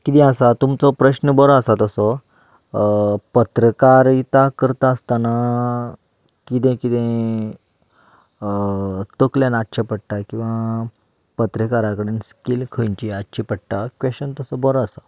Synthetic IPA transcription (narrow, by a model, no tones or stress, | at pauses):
kit̪ɛ̃asat̪umt͡sɔpɾəɕnəbɔɾɔəsat̪əsɔ | pət̪ɾəkaɾit̪akəɾt̪aəst̪ana | kit̪ẽkit̪ẽ | t̪əkljanatːɕʰapəɽʈakĩw̃ʋa | pət̪ɾəkaɾakəɽenskilkʰəɲt͡ɕiatːɕʰipəɽʈakʋeənt̪əsɔbɔɾɔasa